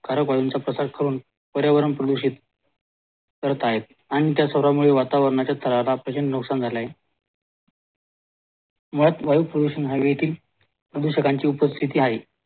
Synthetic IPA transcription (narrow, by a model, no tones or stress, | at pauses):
kʰaɾəkʋajunt͡sapɾəsaɾkʰəɾuːn | pəɾjaʋəɾəɳpɾəd̪uɕit̪ | kəɾət̪aɦet̪̚ | aɽ̃it̪̬jasəʋɾamuɭeʋat̪aʋəɾɳat͡ɕjat̪ʰəɾalapɾət͡ɕənənuksand͡zʱalaɦe | muɭat̪ʋajupɾəd̪uɕənɦaʋijet̪ʰiːl | pɾəd̪uɕəkaɲt͡ɕiːupəst̪ʰit̪iːɦaɦi